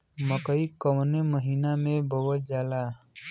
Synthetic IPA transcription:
məkəikəwneməɦiːnamẽbʱəwəd͡ʒaːlaː

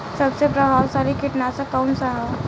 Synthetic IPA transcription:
sɐbsepɾəɦaːwsaːɾikɪʈnasakɔːnsaɦa

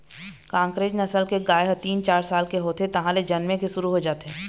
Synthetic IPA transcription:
kãːŋkɾeːd͡ʒnɐsəlkeɡaːeɦɐt̪iːnt͡ʃaːɾsaːlkeɦoːt̪et̪ɐɦãled͡ʒɐnmẽkesʊɾuɦod͡ʒaːt̪eɦɛ

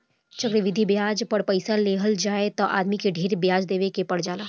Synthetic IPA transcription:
t͡ʃəkɾəʋɪd̪ʱibjaːd͡ʒpəɽpɐɪsaleːɦəld͡ʒaːet̪ɔ̃ʔa̰ːd̪mikeɖʱeːɾbjaːd͡ʒd̪eːʋekepɐɽ̤d͡ʒaːlaː

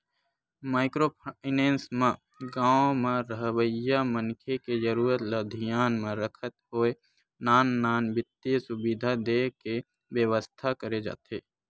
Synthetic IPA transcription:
maːɪkɾopʰaɪnẽːnsmẽ | ɡãːomẽɾəɦwəjamənkʰeked͡ʒəɾuːɾət̪ləd̪ʱijaːnmẽɾəkʰət̪ɦoːe | naːnːaːnbɪt̪ːesʊbid̪ʱad̪eːke | ʋjəwəst̪ʰakəɾed͡ʒa̰ːt̪eː

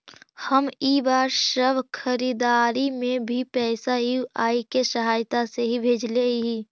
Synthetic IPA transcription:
həmiːbaːɾʃəbʱkʰəɾiːd̪aːɾimẽbʱipɛːsauʔaːikeʃəɦaːjt̪aseɦibʱeːd͡ʒleɦiː

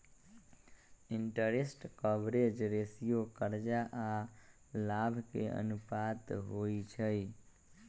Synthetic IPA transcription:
iɳʈəɾesʈkəbɾed͡ʒɾesijokəɾd͡ʒaʔa | labʱkḛə̰nupat̪ɦoit͡ʃʰəj

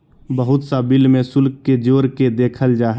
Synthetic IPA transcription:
bəɦʊt̪sabɪlmẽsʊlkːed͡ʒoːɾked̪eːkʰəld͡ʒaːɦ

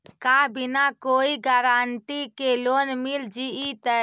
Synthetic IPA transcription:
kabinakoːiɡaɾaːnʈ̪ikeloːnmild͡ʒiit̪ə

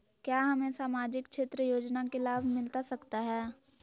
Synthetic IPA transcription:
kjaːɦɐmẽsaːmaːd͡ʒɪkʃʰɪt̪ɾəjoːd͡ʒnakelaːbʱmɪlt̪asɐkt̪aɦɛː

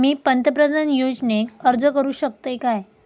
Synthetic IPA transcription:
miːpənt̪əpɾədanjod͡ʑneəɾd͡zəkəɾuːɕək̚t̪ekaj

